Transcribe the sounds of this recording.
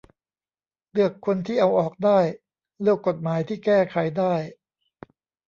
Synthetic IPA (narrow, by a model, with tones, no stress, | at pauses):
lɯ˥˩əkʰːo˧nt̪ʰiː˥˩ʔa˧wʔɔː˨˩k̚daː˥˩j | lɯ˥˩əkːo˨˩t̪̚maː˩˦jt̪ʰiː˥˩kɛː˥˩kʰa˨˩˦jdaː˥˩j